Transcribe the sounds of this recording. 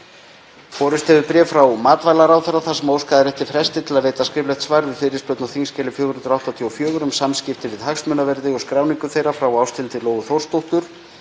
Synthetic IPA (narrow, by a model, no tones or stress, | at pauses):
fɔːɾʏst̪ɛðʏɾpɾɛːvfɾawmaːt̪vajlaɾaːwθɛɾaθasɛmoːwskaðɪɾɛht̪ɪ̥fɾɛst̪ɪt̪ʰɪlaðɾeːjt̪askɾɪːplɛht̪svajɾðʏfɪɾɪsplœwt̪nawθiŋscɛːlɪfjoːɣʏnʏnt̪ɾawht̪at̪ʰiɔfjœːɣʏɾʏmsamscɪft̪ɪvɪðɦaksmʏːnavɛɾðɪɣɔɣskɾaːwniŋkʏθejɾafɾawawst̪ɪlt̪ɪloːwɣʏθowr̥st̪owht̪ʏɾ̥